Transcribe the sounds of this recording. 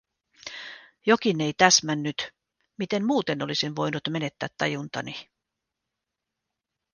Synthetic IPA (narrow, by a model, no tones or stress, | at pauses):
jo̞kinːe̞jt̪æsmænːyt̪ | mit̪e̞nmuːt̪e̞no̞lisinʋo̞jnut̪me̞ne̞t̪ːæ̰ːt̪ːɑjunt̪ɑ̰ni